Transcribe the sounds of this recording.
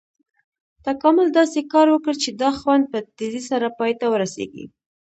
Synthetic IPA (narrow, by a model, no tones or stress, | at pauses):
t̪akɑmʊld̪ɑsekɑɾwəkəɾt͡ʃed̪ɑxwand̪̚pət̪ɪzisaɾapɑjt̪awəɾasḛɡḭ